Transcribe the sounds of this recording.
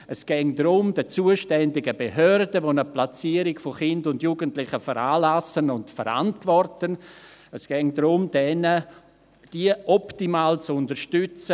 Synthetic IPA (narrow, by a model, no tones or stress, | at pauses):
ɛsɡ̥ɛŋdɾʊmdət͡suːəʃtɛndɪɡəbeɦœɾdəʋonəplat͡siːəɾɪkfoχɪndʊndjuɡəntlɪχəfəɾaːlasənʊntfəɾa̰ntvɔrtənəsɡ̥ɛŋdɾʊmdɛnə | d̥iəʔɔptimaːlt͡sʊndəɾʃtʏt͡sə